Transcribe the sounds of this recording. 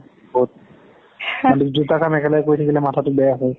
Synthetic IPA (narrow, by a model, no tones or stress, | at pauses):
bot̚ | ɔdikd͡ʒutakamɛkʰɛlajkojtʰakʰilɛmatʰatʊbɛjaɦɔj